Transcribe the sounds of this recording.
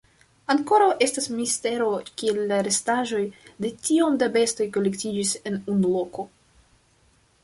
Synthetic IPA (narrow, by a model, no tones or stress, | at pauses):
aŋko̞ɾawʔe̞stasmiste̞ɾo̞kie̞lːaɾe̞staʒo̞jde̞tio̞mdabe̞sto̞jko̞lektid͡ʒise̞nunulo̞ko̞